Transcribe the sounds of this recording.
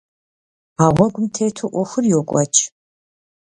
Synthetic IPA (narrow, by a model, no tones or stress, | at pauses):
aːʁʷɐɡʷʊmtʰeːtʰuʔʷɔxʷʊrjoːkʷʼɐ̰t͡ʃʰʼ